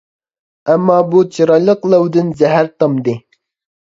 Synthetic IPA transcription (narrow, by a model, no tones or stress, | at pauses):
æmːɑːbut͡ʃʰiɾɑlɨqlˠɑwd̪ɨnzæɦæɾt̪ɑmd̪ɪ